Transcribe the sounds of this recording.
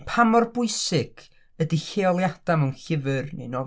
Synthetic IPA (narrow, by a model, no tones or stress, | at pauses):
pʰamɔrbʊɨsɪɡ̥ | ədiheɔlˠjad̥aməwnɬɪvɨrnḛjnɔ